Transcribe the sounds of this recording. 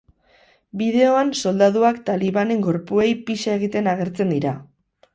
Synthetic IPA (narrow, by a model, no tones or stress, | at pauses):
bið̞e̞o̞anso̞ld̪aðuakt̪aliβane̞ŋɡo̞ɾpue̞jpiʃae̞ɣ̞it̪e̞naɣ̞e̞ɾt͡se̞nd̪iɾa